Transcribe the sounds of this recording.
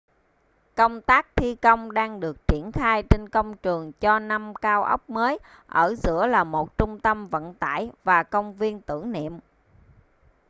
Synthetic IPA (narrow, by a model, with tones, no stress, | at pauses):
kə˧wŋ͡mt̪aː˦˥k̚t̪ʰi˧kə˧wŋ͡mɗaː˧ŋɗɨ˨˩ək̚t͡ɕi˧˩ənxaː˧jt͡ɕe˧nkə˧wŋ͡mt͡ɕɨ˨˩əŋt͡ɕɔ˧na˧mkaː˧wʔə̰˦˥wk͡p̚məː˨˦j | ʔəː˧˩zɨ̰˧˥əlaː˨˩mo˨˩t̚t͡ɕʊ˧ŋ͡mt̪ə˧mvə̰˧˨nt̪a̰ː˧˩˨jvaː˨˩kə˧wŋ͡mvi˧ənt̪ɨ̰˧˩əŋnḭ˧˨əm